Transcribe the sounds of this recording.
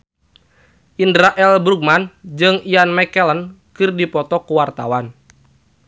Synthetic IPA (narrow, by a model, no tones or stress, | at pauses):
ʔindɾaʔɛlbɾuɡ̚mand͡ʒɨŋianmɛkɛlən | kɨrdipɔt̪ɔkuwart̪awan